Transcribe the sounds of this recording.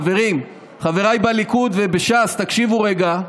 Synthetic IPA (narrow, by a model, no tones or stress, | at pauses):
ve̞ʁim | χave̞ʁajbalikud̪ve̞beʃast̪akʃivuʁeɡa